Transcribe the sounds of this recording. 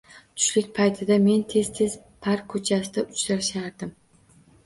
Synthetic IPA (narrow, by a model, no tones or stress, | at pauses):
t̪ʰʊ̥ʃlɪkʲpʰajt̪ʰɪd̪ame̞nt̪ʰe̞zt̪ʰe̞z | pʰaɾkʰɵt͡ʃʰasɪd̪aʊt͡ʃɾaɾʃaɾd̪ɪm